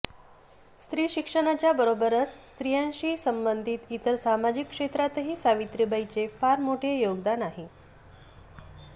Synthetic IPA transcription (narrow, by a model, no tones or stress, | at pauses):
st̪ɾiːɕikʂəɳ̃at͡ɕjabəɾobəɾəsːt̪ɾijãnɕiːsəmbənd̪ʱiːt̪it̪əɾsamad͡ʑikːʂet̪ɾat̪əɦiːsaʋit̪ɾibəit͡sefaɾmoʈʰejoɡd̪anaɦi